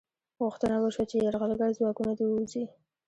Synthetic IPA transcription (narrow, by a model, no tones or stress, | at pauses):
ɣʊxt̪ənawəʃwat͡ʃeaɾɣalɡaɽzwɑkunad̪ewuzi